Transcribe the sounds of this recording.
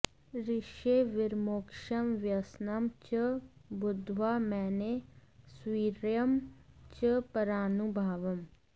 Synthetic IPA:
ɾɪʃeʋɪɾmoːkʃəmʋjəsnəmt͡ʃəbʊd̪ʱʋaːmɛːneswiːɾjəmt͡ʃəpəɾaːnubʱaːʋəm

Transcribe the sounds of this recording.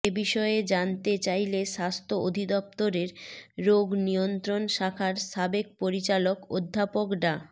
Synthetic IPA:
ebiʃɔed͡ʑant̪et͡ɕajleʃast̪ʰood̪ʱid̪ɔp̚t̪oɾeɾːoɡnijont̪ɾonʃakʰaɾʃabek̚poɾit͡ɕalokod̪ʱːapokɖa

